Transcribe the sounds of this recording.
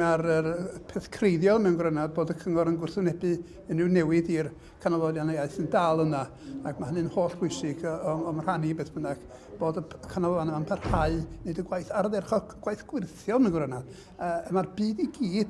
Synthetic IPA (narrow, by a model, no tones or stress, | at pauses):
aɾəpʰɛθkʰrejðjɔlˠmɛwnɡwrənad̚boːdəkʰəŋɔɾənɡwʊrθʊnɛbɨ | ənɪwnɛwɪdir | kʰanɔlˠɔlˠjanejaɨθəndalˠəna | akmahənɨnhoːɬb̥wʊjsɪɡɔɔmr̥hanibeːθb̥ənaɡ̥ | b̥oːdəəkʰanɔlɔanəmanpʰarhaɨnɨdəɡwajθarðɛrχɔɡ̥wajθɡ̥wɪrθjɔnəɡwrənad̥ | əmarbɨːdiɡiːd̥